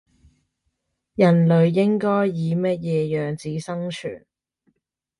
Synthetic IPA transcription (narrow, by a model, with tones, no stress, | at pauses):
jɐ˨˩nlɵ˨˧ɥjɪ˥ŋkɔː˥jːiː˨˧mɐ˥t̚jɛː˨˧jœː˨ŋt͡siː˨˥sɐ˥ŋt͡ʃʰy̰ː˨˩n